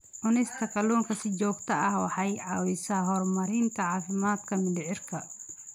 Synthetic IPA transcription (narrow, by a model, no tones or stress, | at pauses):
ʔʊnɪst̪ʰɐkʰɐluːŋkʰɐsɪt͡ʃɔːɡt̪ʰɐɐhwɑ̰ħɑjʕɑwɪsɐɦɔrmɐɾɪnt̪ʰɐʕɑːfɪmaːd̪kʰɐmɪlɪʕɪrkʰɐ